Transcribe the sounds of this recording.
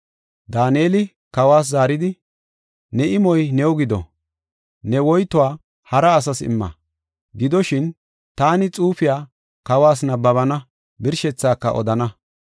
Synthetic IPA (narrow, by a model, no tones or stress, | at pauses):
d̪aːneːlɪ | kɐwaːs̬zaːɾɪd̪ɪ | nɛʔɪmɔjnɛwɔɡɪd̪ɔ̰ | nɛwɔjt̪ːɔwaː | hɐɾɐːs̬ɐsɪ̰mːɐ̰ | ɡɪd̪ɔʃɪn | t̪aːnɪt͡sʼuːfɪjaː | kɐwaːs̬nɐbːɐβɐnɐ | bɪɾʃɛt͡sːaːkːɐ̰ʔɔ̰d̪ɐnɐ